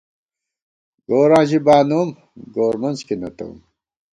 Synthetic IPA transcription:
ɡoːɾãːʑibaːnuːm | ɡoːɾmɐnzkinɐt̪ɐ̰ṵm

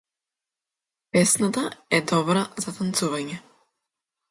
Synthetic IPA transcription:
pɛsnat̪aɛd̪ɔbɾazat̪ant̪suvaɲɛ

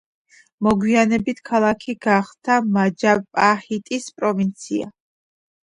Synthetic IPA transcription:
mɔɡwianɛbit̪ʰkʰalˠakʰiɡ̥aχt̪ʰamad͡ʒapʼahit̪ʼispʼɾɔvint̪sʰia̰

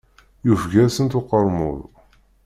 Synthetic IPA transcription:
jufɡæsənt̪ʊqːəɾˤmʊ̰ðˤ

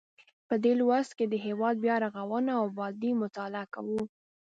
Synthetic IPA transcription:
pəd̪elwast̪ked̪əɦewɑd̪̚bjɑɾaɣawənaːwbɑd̪imʊt̪ɑlaakawu

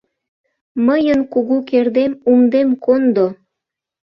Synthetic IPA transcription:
məjənkuɣukerd̪emumd̪emkond̪o

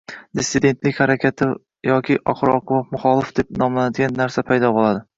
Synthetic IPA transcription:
d̪ɪsːɪd̪e̞nt̪lɪkʲhaɾakʲʰat̪ʰɪ | jɒkʲʰɪʔɒ̰χɨɾɒqʊwɒfmʊχɒlˠɪfd̪̥e̞p̚nɒmlanad̪ɪɡʲanːaɾsapʰajd̪ɒbolˠad̪ɪ

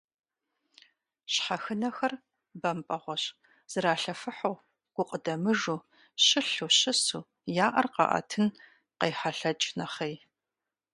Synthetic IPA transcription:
ɕħaxɨnɐxɐr | bɐmpʼɐʁʷɔɕ | z̥ɨɾaːɬɐfɨħow | ɡ̥ʷʊqʼədɐmɨʐuː | ɕɪɬuːɕɪsuː | jaːʔɐrqɑ̰ʔɐ̰tʰɨn | qejħaɬɐt͡ʃʼnɐχej

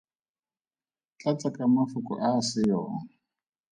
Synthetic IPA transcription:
t͡ɬʼat͡sʼakʼamafʊkʼɔ̰ʔasɪjɔːŋ

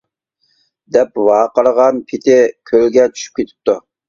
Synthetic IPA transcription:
d̪ɛp̚vɑːqəɾəʁɑnpʰɪt̪ʰɪkʲʰølɡʲɛt͡ʃʰy̥ʃy̥p̚kʲʰet̪ʰɪ̥p̚t̪u

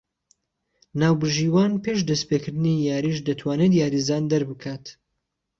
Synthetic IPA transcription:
naːwbɨʒiːwaːnpʰeʃd̪ɐspekɨɾd̪ɨnijaːɾiːʃ̬d̪ɐt̪ʰwaːnet̪jaːɾizaːnd̪ɐɾbɨkʰaːt̪

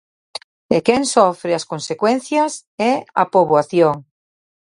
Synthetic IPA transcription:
ekɛŋsɔfɾɪɐskonsekwen̟θjɐs | ɛɐ̰poβwaθjoŋ

